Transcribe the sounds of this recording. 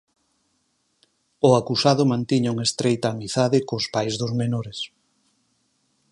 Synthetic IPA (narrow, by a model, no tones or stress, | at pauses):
ʊakusaðʊmãnt̪iɲauŋest̪ɾejt̪aːmiθaðɪkʊspajzðʊzmenoɾes